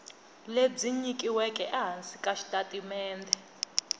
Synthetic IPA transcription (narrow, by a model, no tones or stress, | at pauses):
led͡ziɲikʼiwɛkʼɛʔaɦant͡sʼikʼaʃi̥tʼatʼimɛːndʱɛ